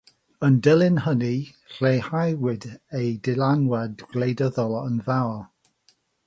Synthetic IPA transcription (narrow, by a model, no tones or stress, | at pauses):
əndɪlˠɪnhəni | r̥eːhajwɪdejdɪlanwɛdɡ̥lejdəðɔlˠənvawɔ